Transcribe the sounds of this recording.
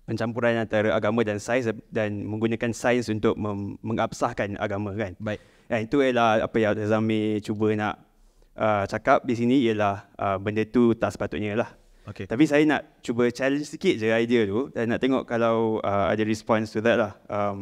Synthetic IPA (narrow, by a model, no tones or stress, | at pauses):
pəɲt͡ʃampuɾanant̪aɾaʔaɡamə̃dansajsdanmə̃ŋɡunãkansajnsunt̪ʊk̚məːə̃ŋʔap̚sahkana̰ɡamə̃kan | ʔant̪uəlaha̰pajat̪əzamĩt͡ʃubəna̰ʔ | ʔət͡ʃakap̚dis̬inĩijəlahʔəbəndət̪ut̪aʔsə̥pat̪ʊt̪ʔ̚ɲə̃lah | oket̪apisajana̰ʔt͡ʃubət͡ʃalənsikɪt̪̚d͡ʒəajdiət̪udanːaʔt̪eŋɔ̰ʔkalawəa̰dəɾispɔnst̪uðɛt̚lahʔəm